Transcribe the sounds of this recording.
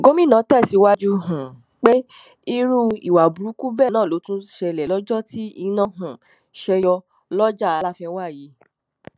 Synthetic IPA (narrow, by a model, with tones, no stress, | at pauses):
ɡo˦mĩ˦˨nã˨˦tɛ˦˨si˨˧˦wa˦d͡ʒu˦ɦũ˨ | k͡pe˦ | i˧ɾu˦ḭ˨wa˨bu˨ɾu˨˦ku˦bɛ˦˨nãː˦˨lo˨˦tũ˦ʃɛ˧˨lɛ˨lɔ˦d͡ʒɔ˦ti˦i˧nã˦˨ɦũ˨ | ʃɛ˧jɔ˧ | lɔ˦d͡ʒa˦˨a˨˧la˦fĩ˧ɛ̃˧˦wa˦˨ji˨˦